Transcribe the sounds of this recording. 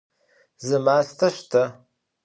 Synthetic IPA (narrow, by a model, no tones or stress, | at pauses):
zɨmaːɬtʰɐʃtʰɐ